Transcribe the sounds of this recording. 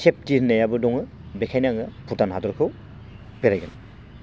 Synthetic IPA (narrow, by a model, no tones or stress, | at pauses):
sʰep̚tiɾnejabɯdɔŋɯ | bekʰajnaŋɯpʰutanɦadɔɾkʰɯw | peɾajɡɯn